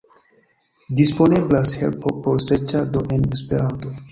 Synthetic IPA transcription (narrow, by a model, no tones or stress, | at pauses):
dispo̞neblashḛlpopoɾset͡ʃadoʔenespe̞ɾanto̞